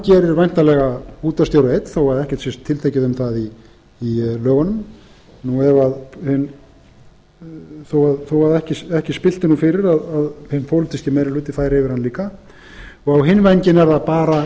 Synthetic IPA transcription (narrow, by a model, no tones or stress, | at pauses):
cɛːɾɪɾvajn̥t̪alɛɣauːt̪ast̪jowɾejt̪θowvaɾðɛhcɛ̥t̪siɛst̪ʰːɪlt̪ʰejcɪðʏmθaðiː | lœːɣanʏm | nuɛvaðhʏn | θowaðθowvaɾðɛhcɪsɛhcɪspɪl̥t̪ɪnufɪɾɪɾaðaðhɪnːpʰowlɪt̪iscɪmɛjɾɪlʏːt̪ɪfaːjɾɛvɪɾhanliːka | ɔɣawɦɪnːvɛjɲcɪnɛɾðapaːɾa